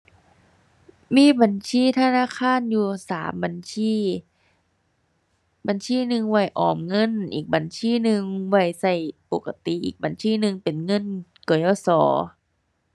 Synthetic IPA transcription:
miː˧˥˨ba˨˩˦nsʰiː˧˥˨t̪ʰa˧naː˧˥˨kʰaː˧˥˨njuː˧saː˨˦mba˨˦nsiː˧˥˨ | ba˨˦nsiː˧˥˨nɯ˧ŋwa˧˩jʔɔː˨˩mŋɤ˧˥˨nʔiː˨˩k̚ba˨˩˦nsʰiː˧˥˨nɯ˧ŋwa˧˩jsa˧˩jpo˨˧˩kːa˧t̪i˨ʔḭː˨˩k̚ba˨˦nsʰiː˧˥˨nɯ˧ŋpe˨nŋɤ˧˥˨nkɔ˨˧˦jɔː˧˩sɔ̰ː˩˦

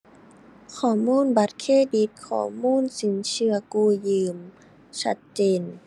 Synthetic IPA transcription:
kʰɔː˧˩˦muː˥˨nba˧˦t̪̚kʰeː˧˥˨di˧˦t̪̚kʰɔ̰ː˧˩muː˧˥˨nsi˨˩˦nt͡ɕɯ˧ɐkuː˧˩jɯː˧˩m | t͡ɕʰa˦˥t̪̚t͡ɕeː˧˨n

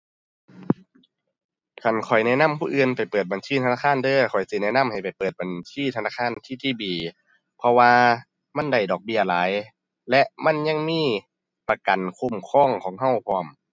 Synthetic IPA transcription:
kʰa˨˧˩nkʰɔ˨˩jnɛː˧˥˨na˧˥˨mpʰuː˧˥˨ʔɯː˧npa˨˩jpɤː˨˩t̪̚ba˨nsiː˧˥˩aː˧˥˨kʰaː˧˥˨ndɤː˧˨kʰɔ˨˩jsi˧˦nɛː˧˥˨na˧˥˨mha˨˩jpa˨˩jpɤː˨˩t̪̚ba˨nsiː˧˨t̪ʰa˧naː˧˥˩kʰaː˧˥˨nt̪ʰiː˧˩t̪ʰiː˧˩˨biː˨˩ | pʰɔ˧waː˧ | ma˧˥˨nda˧˩jdɔː˨˩k̚bi˧˩ɐlaː˨˦j | lɛ˧˥ʔma˧˥˨nɲa˧˨ŋmiː˧˥˨ | pa˧ka˨nkʰu˧˥˨mkʰɔː˧˥˩ŋkʰɔː˨˦ŋɦa˧˩˨wpʰɔː˧˩˨m

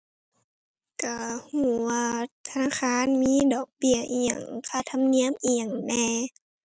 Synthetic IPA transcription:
ka˧˩huː˧˩waː˧t̪ʰa˧naː˧˥˨kʰaː˧˥˨nmiː˧˥˨dɔː˨˩k̚bi˧ə˨ʔi˧˨˩a˨˩ŋkʰa˧˩t̪ʰa˧˨mni˧˥əmʔiː˧a˨˩ŋnɛː˧

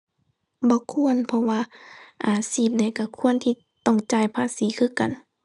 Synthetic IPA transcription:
bɔː˧˦kʰu˧˥ənpʰɔ˧waː˧ʔaː˨˩siː˧˩p̚na˧˩jka˧˩kʰu˧˥˨ənt̪ʰiː˧˩ | t̪ɔ˧˩ŋt͡ɕaː˨˧˩jpʰaː˧˥˨siː˨˦kʰɯ˧˥˨ka˨n

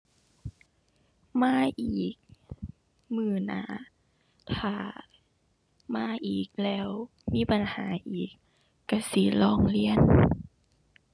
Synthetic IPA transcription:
maː˧˥˨ʔiː˨˩k̚ | mɯː˧˩na̰ː˧˦ | t̪ʰaː˧˨˩ | maː˧˥˨ʔiː˨˩k̚lɛː˦˧˥w | miː˧˥˨pa˨nhaː˨˦ʔiː˨˩kː | a˧˩si˧˦lɔː˧˩ŋli˧˥˨ən

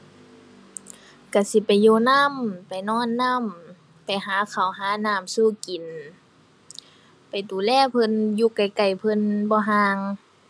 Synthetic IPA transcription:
ka˧˩si˧˦pa˨jːoː˧˨na˧˥˨mpa˨jnɔː˧˥˨nːa˧˥˨m | pa˨jɦaː˨˦kʰa˨˩wɦaː˨˦naː˧˥˨msuː˧˩˨ki˨n | pa˨˩jt̪uː˨˩lɛː˧˥˨pʰɤ˧˥˨njuː˧ka˨˩jka˨˩jpʰɤ˧˨nbɔː˧ɦaː˧ŋ

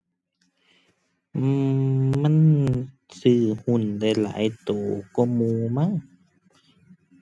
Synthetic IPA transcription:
ma˧˥˨n | sɯː˧˩hu˧˩˨nda˧˩jla̰ː˨˩˦jt̪oː˨˩˦kɔ˧˩muː˧ma˧˥˨ŋ

